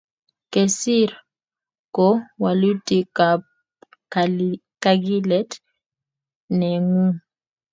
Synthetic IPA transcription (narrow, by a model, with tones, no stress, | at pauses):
kɛ˨si˦ɾa | kɔ˦wa˨lu˦ti˨ka˨ | ka˨ɡi˦lɛ˦t | nɛ˨ŋu˦